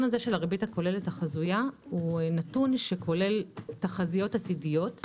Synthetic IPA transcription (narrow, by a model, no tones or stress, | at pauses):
nazeʃe̞laʁebithako̞le̞letaχazujahunatunʃe̞kʰo̞le̞ltaχazijo̞tatidijo̞t